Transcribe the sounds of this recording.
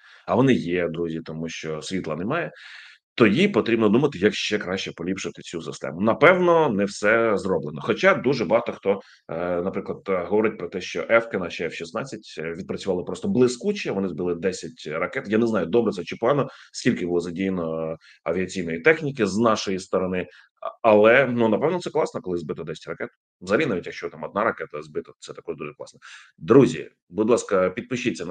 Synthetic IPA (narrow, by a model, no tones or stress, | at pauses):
ɐʋɔnɪjɛd̪ɾuzʲit̪ɔmuʃt͡ʃɔsʲʋʲit̪lˠɐnɛmɑjɛ | t̪ɔjipɔt̪ɾʲibnɔd̪umɐt̪ɪjɐkʃt͡ʃɛkɾɑʃt͡ʃɛpɔlʲipʃʊt̪ɪt͡sʲusɪst̪ɛ̰mʊnɐpɛwnɔnɛwsɛzrɔblˠenɔxɔt͡ʃɑd̪uʒɛbɐɦɑt̪ɔxt̪ɔ | nɐpɾɪklˠɐd̪̥ɦɔʋɔɾɪt̚ʲpɾɔt̪ɛʃt͡ʃɔʔɛfkɛnɑʃɛwʃisnɑt͡sʲːɐtʲʋʲid̪̚pɾɐt͡sʲʊʋɑlˠɪpɾɔst̪ɔblˠɪskut͡ʃiɐʋɔnɪzbɨlˠɪd̪ɛsʲɐtʲrɐkɛt̪janɛznɑjʊd̪ɔbɾɛt̪sɛt͡ʃɪpanɔskʲilʲkɪbʊlˠɔzɐdʲijenɔ | ɐʋʲiɐt͡sʲijnɔjit̪ɛxnʲikɪznɑʃɔjist̪ɔɾɔnɪ | ɐlˠɛnunɐpɛʋnɔt̪sɛklˠɑsnɔkɔlˠɪzbɪt̪ɔd̪ɛsʲɛ̥tʲrɐkɛt̪ʊ̥ | zɐɾʲinaʋʲitʲjɐkʃt͡ʃɔt̪amɔd̪nɑɾɐkɛt̪ɐzbɪt̪ɔt̪sɛt̪ɐkɔʐd̪uʐɛklˠɑ̰snɔ | d̪ɾuzʲḭ | bud̪ʲlˠɑskɐpʲid̪̚pɪʃɪt͡sʲːɐ